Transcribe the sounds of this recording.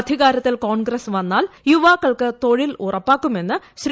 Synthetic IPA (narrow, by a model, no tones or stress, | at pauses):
d̪ʱiɣaːɾɐt̪ːilkoːɳɡɾɐsʋɐnːaːljuʋaːkːɐɭkɨt̪o̞ɻilṵrɐpːaːkːume̞nːɨɕɾ